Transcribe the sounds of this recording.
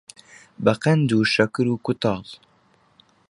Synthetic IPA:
bɛqɛnd̪uːʃɐkɨɾuːkʊt̪ɑːl

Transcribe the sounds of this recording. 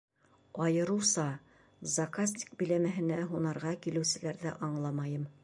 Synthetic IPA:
ɑjɤ̆ɾɤwsɑ | zɐkas̬ʲt̪ʲi̥k̚bɘ̆læmæɦɘ̆næɦunɑɾʁɑkilɘ̆wsɘ̆læɾðæʔɑɴlˠɑmɑjɤm

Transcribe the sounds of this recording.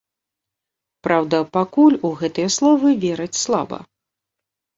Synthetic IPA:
pɾawd̪ɐpakulʲuɣɛt̪ɨjɐslˠɔvɨvʲeɾɐt͡sʲslˠa̰bɐ̰

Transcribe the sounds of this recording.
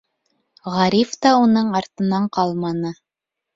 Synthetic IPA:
ʁɑɾift̪ɑunɤɴɑɾt̪ɤ̆nɑɴqɑlˠmɑnɤ

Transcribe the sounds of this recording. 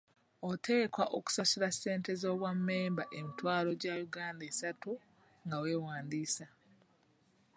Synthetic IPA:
otʰe̞ːkwaʔoku̥sasiɾasːe̞ːnte̞zo̞ːβwamːe̞ːmbaʔe̞mitwaːlo̞ɟajuɡaːndesatu | ŋɡawe̞ːwaːnd̪iːsa

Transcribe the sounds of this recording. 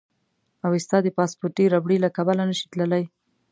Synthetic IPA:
awɪst̪ɑd̪əpɑspoɾʈiɾabɽilakabalanəʃi̥t̪ləlaj

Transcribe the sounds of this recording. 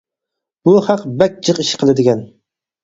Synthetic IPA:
b̥ʊhɑqbæk̚ʲd͡ʒɨqɪʃɪ̥qʰɨlˠad̪ɪɡʲɛn

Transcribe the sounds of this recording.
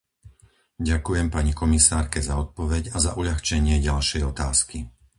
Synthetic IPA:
ɟakujɛmpaɲikɔmisaːɾkɛzaɔt̪̚pɔʋɛɟazaʔuʎaxt͡ʃɛɲɪɛɟalʃɛjɔt̪aːski

